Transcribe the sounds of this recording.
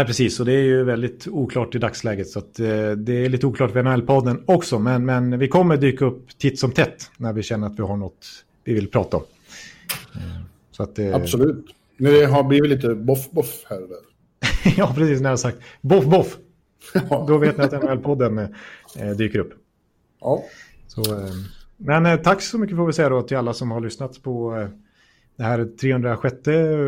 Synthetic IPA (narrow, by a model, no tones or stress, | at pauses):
næpɾɛsiːsːɔd̪ɛæjɵvɛld̪ɪt̪uːkʰlɑːʈɪd̪akslɛːɡət̪sɔat̪d̪ɛæɭiːt̪ːəuːklɑːʈvɛɛnʊɛlːpʰɔd̪ːənɔksɔmɛnmɛnvɪkʰɔmːəɖ̪yːkaɵpːt̪ʰɪt̪sɔmt̪ʰɛt̪ːnæɾvɪɕɛnːəɾat̪vɪɦaɳɔt̪ː | vɪvɪlpʰɾɑːt̪aɔ̰m | sɔat̪d̪asɔlʉːt̪ | mɛd̪ɛɦabliːvɪt̪liːt̪əbɔfbɔfhæɾd̪øɾ | jɑːpʰɾɛsiːsnæɾɛasak̚t̪bɔfbɔf | d̪ɔveːt̪nɪat̪ɛnɛlpʰɔd̪ːən | d̪yːkəɾɵpː | ɑːsɔ | mɛnt̪ʰakːsɔmʏkːəfoːvɪsɛjːad̪ɔat̪ʰɪlalːasɔmhaɭʏsnat̪spʰɔ | d̪̥ɛhæːɾt̪ʰɾeːhɵnd̪ɾaɧɛt̪ːə